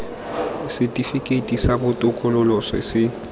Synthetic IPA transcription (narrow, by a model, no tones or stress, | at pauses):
isitʼifikʼetʼisaɓɔtʼʊkʼɔlɔlɔsɛ̰sɪ